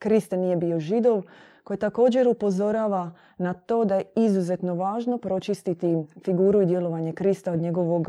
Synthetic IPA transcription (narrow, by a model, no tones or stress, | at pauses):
kɾist̪enijebio̞ʒid̪o̞ʋkko̞jet̪ako̞ːd͡ʑe̞ɾupo̞zo̞ɾaːʋa | nat̪o̞ːd̪ajeizuze̞t̪no̞ʋaːʒno̞pɾo̞t͡ʃist̪it̪ifiɡuːɾuid̪jelˠo̞ʋaɲe̞kɾist̪aod̪ɲe̞ɡo̞ʋo̞ɡ